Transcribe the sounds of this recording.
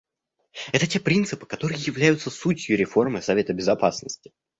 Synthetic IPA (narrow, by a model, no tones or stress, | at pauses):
ɛt̪ətʲe̞pɾʲint̪sɨpɨ̥kɐt̪o̞ɾɨjəjɪvlʲæjʊt̪səsutʲjʊɾʲɪfo̞rmɨsɐvʲe̞t̪əbʲɪzɐpasnəsʲtʲɪ̥